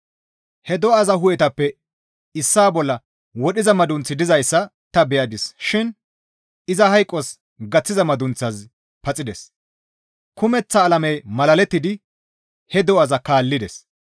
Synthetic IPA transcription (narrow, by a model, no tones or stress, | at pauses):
hɛd̪ɔɐzɐɦʊjɛt̪ɐpːɛ | ɪsːaːbɔlːɐ | wɔɗɪzɐmɐd̪ʊnt͡sːɪd̪ɪzɐjsːɐ | t̪ɐbɛjɐd̪ɪsʃɪn | ɪzɐɦɐjkʼːɔs | ɡɐt͡sːɪzɐmɐd̪ʊnt͡sːɐz | pɐt͡sʼɪd̪ɛs | kʊmɛt͡sːɐːlɐmɛjmɐlɐlɛt̪ːɪd̪ɪ | hɛd̪ɔɐzɐkaːlːɪd̪ɛs